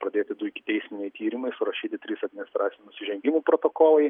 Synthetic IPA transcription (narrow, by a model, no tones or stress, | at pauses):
pɾɐd̪ʲeːt̪ʲɪd̪ʊɪkʲɪt̪ʲɛɪsʲmʲɪnʲɛɪt̪ʲiːɾʲɪmɐɪsʊɾɐʃʲiːt̪ʲɪt̪ʲɾʲiːsɐd̪ʲmʲɪnɪst̪ɾʔɑːt̪sʲɪnunʊsʲɪʒʲɛŋʲɡʲɪmuːpɾoːt̪oːkoːlˠɐɪ